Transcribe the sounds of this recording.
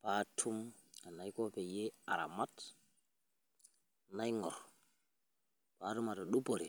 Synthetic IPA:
patʰum | a˨najkɔ˦pɛ˨jea̰˨ɾa̰mat | najŋɔɾ | pa˨tu˦ma˨tɔɗu˦po˨ɾi˨

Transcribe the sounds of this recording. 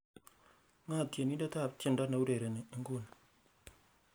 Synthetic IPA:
ŋa˦˨tje˨ni˦da˦ta˦˨ptje˦˨nda˦na˨u˦de˨ɾe˨ne˨˦ŋ̩˦ɡu˦˨n

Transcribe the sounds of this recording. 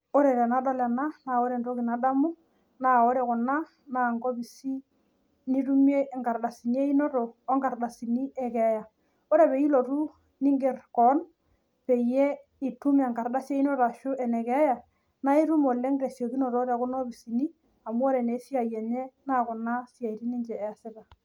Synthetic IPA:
o˦ɾe˨ɾe˨na˨˦dɔ˦lɛ˨na˦naː˦˨o˦ɾe˨nɾo˦kɪ˨na˨da˦mu˦ | naː˦o˦ɾe˨kʊ˨na˦ | naː˨ŋɡo˦bi˨si˦ | ni˦ɾu˦me˦˨ŋɡa˨rɗa˨si˨ni˦e˦i˦no˦ɾoː˨˦ŋɡa˨rda˨si˨ni˦ɛ˦kɛ˨˦ja˨ | o˦ɾe˨pe˨i˦lo˨ɾu˦ | ni˦ŋɡɪ˨rkɔ˨˦n | pe˨je˦ | i˨tu˦ma˨ŋka˨ɾda˦sje˦i˦no˦ɾa˨ʃʊ˦ʔɛ˨nɛ˨kɛ˦ja˨ | na˦i˦ɾu˦mo˨le˦ŋɡɾe˨sjo˨ki˦no˨ɾɔː˦ɾe˨kʊ˦no˦bi˨si˨ni˦ | a˨mu˦o˦ɾe˨ne˨˦si˦a˨jɛ˨ɲe˦naː˦˨kʊ˨na˦si˦a˨i˨ɾi˦ni˦nt͡ʃɛː˨a˨sɪ˦ta˨

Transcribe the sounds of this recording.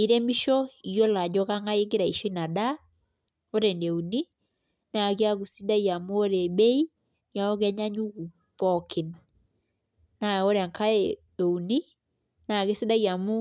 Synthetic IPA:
i˨ɾɛ˦mi˦ʃɔ˦i˨jɔ˦la˨d͡ʒɔ˦ɣa˦ŋa˦e˦ɡe˦ɾa˨i˨ʃɔ˦i˦na˨da˦ | o˦ɾɛ˨nɛ˨u˨ni˦ | na˨ɣi˦a˦ɡu˨si˦da˦ja˨mu˦o˦ɾɛ˨bɛ˦i˦ | nja˨ɔ˦ɣɛ˦ɲa˦ɲu˦ɡu˨ | pɔ˨kʰi˨n | na˨o˦ɾa˨ŋka˦ɛ | ɛ˨u˨ni˦ | na˨ɣe˦si˦da˦i˨a˨mu˦

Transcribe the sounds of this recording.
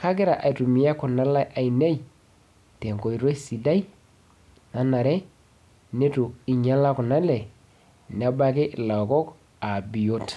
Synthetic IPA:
ka˦kɪ˦ɾa˨ʔa˨i˨tu˨mi˨ja˦kʊ˨na˦la˦ʔa˨i˨ne˦j | te˨ŋko˨i˨ɾo˦si˨da˦i˦ | na˨na˨ɾɛ˦ | ne˦tu˨i˨ɲa˦la˦kʊ˨na˦lɛ˨ | nɛ˦ba˦kɪ˦ʔla˨kɔ˦k | a˨bi˨jo˦t

